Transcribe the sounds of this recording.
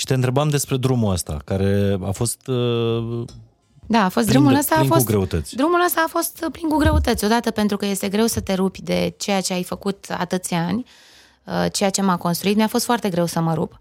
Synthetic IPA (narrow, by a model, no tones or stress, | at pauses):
ʃi̥t̪eɨnt̪ɾe̞bamd̪e̞spɾe̞d̪ɾumuəst̪a̰kaɾe̞a̰fo̞st̪ | d̪aːfo̞st̪ɾumuləst̪aːfo̞sɡɾeut̪ət̪sʲd̪ɾumuləst̪aːfo̞st̪pliŋkuɡɾe̞ut̪ət̪sʲo̞d̪at̪əpe̞nt̪ɾukəje̞st̪e̞ɡɾe̞wsət̪e̞ɾubʲd̪e̞t͡ʃe̞jat͡ʃe̞ajfəkut̪a̰t̪ɨt̪sʲanʲ | ət͡ʃe̞jat͡ʃe̞mako̞nst̪ɾuit̪mʲjafo̞st̪foart̪e̞ɡɾe̞wsəməɾup